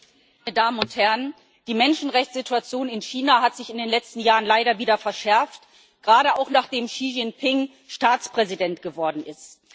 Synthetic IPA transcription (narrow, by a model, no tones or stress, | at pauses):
maɪnəɐdaːmənʊnthɛɐən | d̥iːmɛnʃn̩ʁɛçt͡sz̥ɪtuat͡sjoːnɪnçiːnahatz̥ɪçɪndeːnlɛt͡stn̩jaːʁənlaɪɾɐviːdɐfɛɐʃɛɐft | ɡ̥ʁaːɾəaʊxnaːχd̥eːmʃiʒɪŋpʰɪŋ | ʃtaːt͡spʁ̥ɛzidɛntɡ̥əvɔɐdn̩ʔɪst